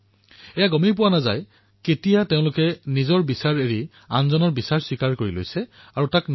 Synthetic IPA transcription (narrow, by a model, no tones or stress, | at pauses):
ɛjaɡɔmip̬ʊwanaza̰j | ketijateʊ̃lʊkɛnizɔɹbisaɹeɹi | anzɔnɔɹbisaɹswikaɹkoɹilo̰jsɛ | aɹutakn